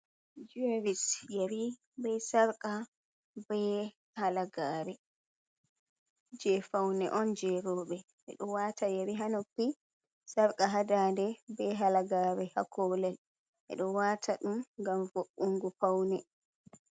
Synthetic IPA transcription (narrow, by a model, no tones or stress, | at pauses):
d͡ʒuaɾisjaɾi | bɛjsaɾkʼa | bɛ | halaɡaːɾɛ | d͡ʒɛfawnɛʔɔnd͡ʒɛɾɔːɓɛ | ʔɛ̰ɗɔwaːtʰajaɾiɦanopːi | saɾkʼaɦadaːndɛbɛɦalaɡaːɾɛha̰kɔlɛl | ʔɛ̰ɗɔwaːtʰaɗumɡamvoʔːuŋɡufawnɛ